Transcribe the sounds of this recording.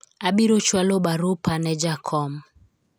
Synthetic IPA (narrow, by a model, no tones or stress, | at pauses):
abiɾot͡ʃwalobaɾupanɛd͡ʒakʰɔm